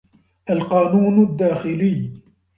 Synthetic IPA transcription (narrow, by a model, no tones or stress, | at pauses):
ʔalqɑːnuːnd̪ːaːxɪlɪː